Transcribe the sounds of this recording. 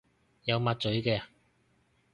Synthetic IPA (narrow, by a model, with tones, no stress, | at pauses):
jɐ˨˧wmaː˧t̚t͡sɵ˨˥ɥkɛː˧